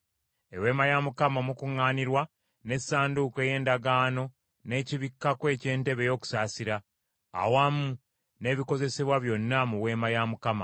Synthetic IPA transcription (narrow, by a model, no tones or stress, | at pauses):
e̞we̞ːmajamukamamukuŋːaːniɾwa | ne̞saːnduke̞je̞ːndaɡaːno̞ | ne̞ːciβikːakwe̞ːce̞ːnte̞βe̞jo̞ːku̥saːsiɾa̰ː | wamu | ne̞βiko̞ze̞se̞βwaβjo̞nːamuwe̞ːmajamukama̰